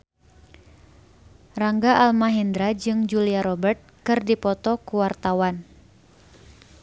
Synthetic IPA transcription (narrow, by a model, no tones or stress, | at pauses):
raŋɡaʔalmaɦindɾad͡ʒɨŋd͡ʒuliaɾɔbərt̪̚kɨrdipɔt̪ɔkuwart̪awan